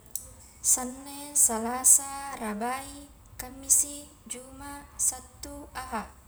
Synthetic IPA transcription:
sanːesalasarabai | kamːisi | d͡ʒumasat̪ːuaɦa

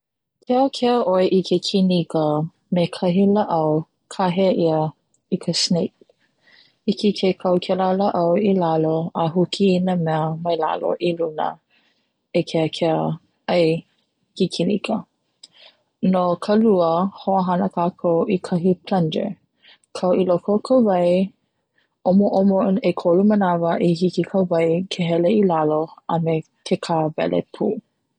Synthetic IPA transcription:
kʰɛəkʰɛəʔojʔikʰekʰinikə | mekʰɐɦilaʔɐw | kʰaɦeʔiə | ikʰəsnejk̚ | ikʰekʰekʰɐwkʰɛlaləʔɐwilaloəɦukʰiːnəmɛəmɐjla̰lo̰ʔilunə̰ | ekʰeəkʰɛə | ɐj | hikʰinḭkʰə | nokʰɐluəhoəɦɐnəkʰaːkʰowʔikʰɐɦipʰlɐndḛ | kʰɐwilokokʰəvɐj | omoʔomonekʰolumənavəʔiɦikikʰəvɐjkʰeɦɛleilaloɐmetʰekʰavɛ̰lʔḛpʰuː

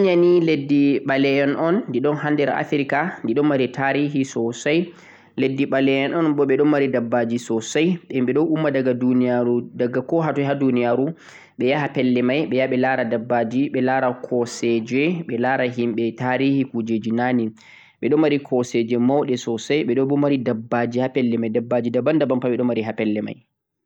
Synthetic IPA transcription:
ɲaniledːiɓalɛjɛnʔɔnːdiɗɔnɦandɛɾa̰fiɾikandiɗɔnmaɾitaɾiɦisɔsaj | ledːiɓalɛjɛnɔnbɔɓɛɗɔnmaɾidabːad͡ʒisɔsajɓɛmɓɛɗɔʔumːadaɡadunijaɾudaɡakɔɦatɔɦadunijaɾu | ɓɛjaɦapɛlːɛmajɓɛjaɓɛlaɾadabːad͡ʒiɓɛlaɾakʰɔsɛd͡ʒɛɓɛlaɾaɦimɓɛtaɾihikud͡ʒed͡ʒinani | ɓɛɗɔmːaɾikʰɔsɛd͡ʒɛmawɗɛsɔsajɓɛɗɔbɔmaɾidabːad͡ʒihapɛlːɛmajdabːad͡ʒidabandabampaɓɛɗɔnmaɾiɦapɛlːɛma̰j

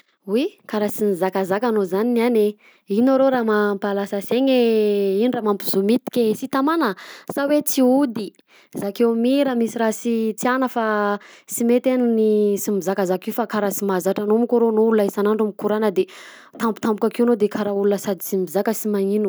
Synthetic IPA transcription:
wikaɾasimizakazakanozaninane | inaɾoɾamampalasəseɲeiniramampizumit̪i̥kʲesit̪amanəsawet͡siud̪i | zakewmiɾəmisiɾasit͡sianəfasimet̪enunisimizakazakiwfakaɾasimazaʈ͡ʂanomikoɾonoulunaisanaɳɖ͡ʐumikuɾanəd̪e | t̪ambu̥t̪ambukakewnod̪ekaɾaulunəsad̪it͡simizakəsimaŋinu

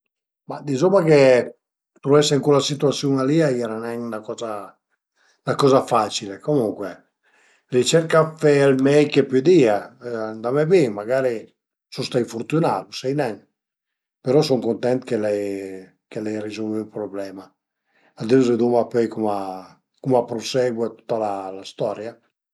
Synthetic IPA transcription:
mad̪izɔmːake | t̪ɾuɛseiŋkulasit̪uat̪sjuŋaliaiɛɾanɛŋnakɔza | nakɔzafat͡ʃilekomuŋkwɛ | lit͡ʃɛɾkafɛlmɛjkepyd̪iːaand̪amɛbimaɡaːɾi | sust̪aifuɾt̪unaɾusɛjnɛŋ | peɾɔsɔŋkont̪ɛnt̪kelɛj | kelɛjrizɔlvpɾoblɛma | ad̪iuzed̪umapøjkuma | kumapɾosɛɡwɛt̪u̥t̪ːalalast̪ɔɾja

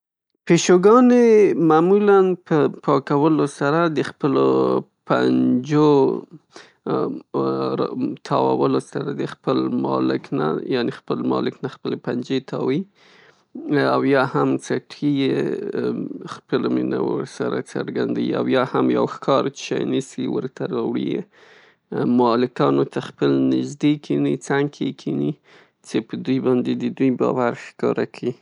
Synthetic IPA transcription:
peʃoɡɑnemamulanpəpʰɑkawəlosaɾad̪əxpəlo̰ | pa̰nd͡ʒo | ɾt̪ʰɑwawəlosaɾad̪əxpəlmɑ̰lɪkna̰jɑnexpəlmɑ̰lɪknaxpəlepand͡ʒet̪ʰɑwi | awjɑhamt͡saʈʰije | xpəlomina̰wə̰ɾsaɾa̰t͡səɾɡand̪awia̰wjɑhamja̰wxkʰɑɾʃa̰jnisiwəɾt̪aɾɑwɽḭje | mɑlɪkɑnot̪axpəlnɪʒd̪ekʰinit͡saŋkʰekʰini | t͡sepəd̪ujbɑnd̪ed̪əd̪ujbɑwaɾxkɑɾakʰi

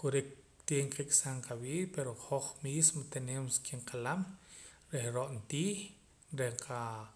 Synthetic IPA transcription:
kuɾik | t̪jeŋkikʼsaɴqawiːpeɾoχoχmiːsmot̪eneːmskiɴqʰalam | ɾehɾoʔnt̪iːχ | ɾehqʰa

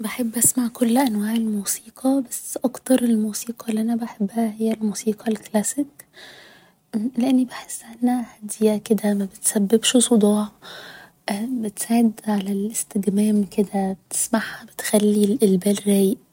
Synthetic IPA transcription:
beħebːʔæsmaʕkolːʔænwæːʕelmuːsiːqʰɑbæsːʔɑkt̪ɑɾˤelmuːsiːqɑlːʔænæbeħebːæhæhejːælmuːsiːqʰɑlklæsɪk | leʔenːibeħesːʔænːæhæd̪jæked̪æmæbet̪sæbːebʃsˤod̪ˤɑːʕ | ʔbet̪saːʕed̪ʕalælʔest̪eɡmæːmked̪æbt̪e̥smaʕhæbet̪xælːilʔelbæːlɾæːjeʔ

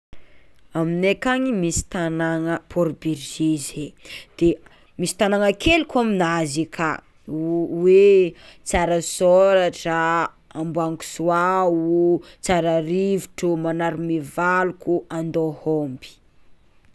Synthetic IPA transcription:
aminekaɲimisi̥t̪anaŋəpʰoɾbiɾʒized̪̥e | misi̥t̪anaŋəkelukuaminazikʰa | wet͡saɾəsoɾaʈ͡ʂə | ambuaŋku̥suau | t͡saɾaɾivu̥ʈ͡ʂumanaɾimivalukuand̪ohombi̥

